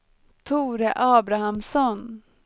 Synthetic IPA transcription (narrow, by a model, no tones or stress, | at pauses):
t̪ʰuːɾəʔɑːbɾahamsɔn